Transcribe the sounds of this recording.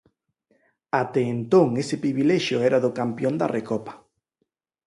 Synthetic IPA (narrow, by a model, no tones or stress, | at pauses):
at̪eːnt̪oŋesɪpɾiβilɛʃjoɛɾaðʊkampjond̪a̰rekɔpḁ